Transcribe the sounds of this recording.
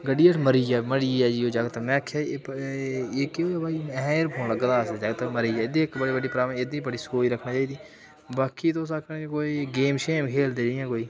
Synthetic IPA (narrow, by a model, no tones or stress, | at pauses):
ɡəɖiːeʈməɾiɛːməɽiːɛːd͡ʒiːoːd͡ʒəɡt̪əmɛːkʰɛː | eːkeoːɛːbaːiɛɾpʰõːaɡəd̪aːsɛd͡ʒəɡt̪əməɾiːɛːɪd̪ĩkbəɽiːbəɖiːpɾaːbɪd̪ĩːbəɽiːsoːiɾəkʰnaːt͡ʃaːiːd̪iː | baːkit̪oːs̬akʰnẽːd͡ʒikoːiːɡeːmʃeːmkʰeːld̪ed͡ʒiãːkoːiː